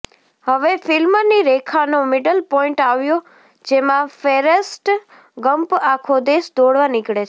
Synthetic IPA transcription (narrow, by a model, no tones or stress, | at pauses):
həʋefɪlmniɾekʰanomɪɖəlpɔɪ̃ɳʈaʋjo | d͡ʒemãfeɾəsʈ | ɡəmpakʰod̪eːsd̪oɽʋanɪkɽet͡ʃʰe